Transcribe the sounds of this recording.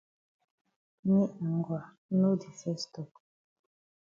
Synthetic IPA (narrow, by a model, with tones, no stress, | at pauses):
ni˦a˨ŋ˨ɡwa˨˦ | no˦di˨fɛ˦stɔ˦˨k̚